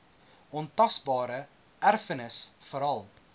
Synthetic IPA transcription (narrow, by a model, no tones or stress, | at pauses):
ɔntɐsbɑːɾə | ærfənəsfəɾɐlˠ